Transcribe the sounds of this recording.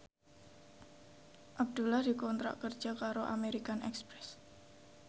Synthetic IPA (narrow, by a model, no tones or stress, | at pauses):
ʔab̚d̪̥ulahd̥̪i̤kɔnt̪ɾa̰ʔkər̥d͡ʒ̥akaɾoʔa̰meɾikanɛ̰kspɾɛs